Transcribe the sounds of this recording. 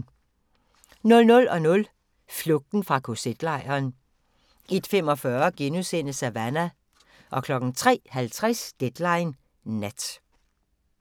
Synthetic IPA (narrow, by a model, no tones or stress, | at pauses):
nɔ̽lnɔ̽lɒ̽nɔ̽l | flɔ̽ɡ̥̚d̥n̩fʁɑ̈kʰo̝sed̥lɑ̈ɪ̰ɐːn | ʔe̝d̥fem̰ɒ̽fɶɐɡ̥enusen̰əsæʋænæ | ʔɒ̽kʰlɒ̽ɡ̥n̩t͡sʰʁɛ̰ːhælt͡sʰʁɛsd̥ed̥lɑ̈ɪnː | æd̥